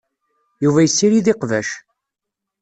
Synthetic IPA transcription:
juvæjəsːiɾiðɪqvæʃ

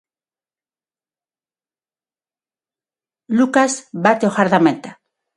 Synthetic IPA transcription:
lukazbat̪eoxaɾðament̪a

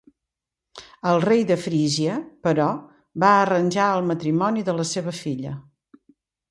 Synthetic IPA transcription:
əlˠrejðəfɾiʒiəpəɾɔ | baərənʲʒaəlˠmət̪ɾimɔniðələseβ̞əfiʎə

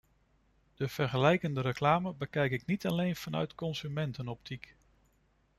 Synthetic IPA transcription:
d̥əv̥ɛɹχəlɛjkəndəɾəklaːməbəkɛjkɪknitɑlejnv̥ɑnœ̰ɥtkɔnzymɛntənɔp̚tik

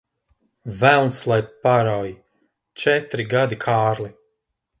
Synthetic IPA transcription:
vælˠnslˠajpaɾawji | t͡ʃɛt̪ɾiɡad̪ikʰaːɾli

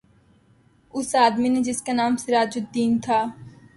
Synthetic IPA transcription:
ʊsaːd̪mined͡ʒɪskanaːmsɪɾaːd͡ʒʊd̪iːnt̪ʰaː

